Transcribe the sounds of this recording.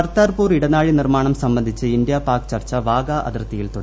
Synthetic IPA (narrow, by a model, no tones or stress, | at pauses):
ɐrt̪aːrpuːriɽɐnaːɻinirmaːɳɐmsɐmbɐnd̪ʱit͡ɕːɨind̪japaːrkt͡ɕɐrt͡ɕːɐʋaːɡɐʔɐ̰d̪ɐrt̪ːɐjilt̪o